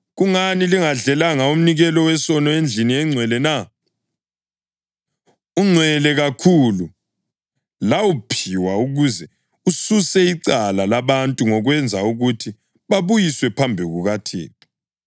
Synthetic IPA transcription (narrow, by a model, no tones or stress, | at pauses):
ɣuŋaniliŋaɮɛlaŋaum̩niɣɛlɔwɛsɔnɔend͡ɮʱiniɛŋ͡ǀʱwɛlɛna | uŋ͡ǀʱwɛlɛɣakʰulu | lawupʰiwauɣuzɛ | ususɛiǀalalaβantʼuŋɔɣwɛnd͡zʱauɣutʰi | βaβujiswɛpʰambʱiɣuɣatʰḛːtʰʼi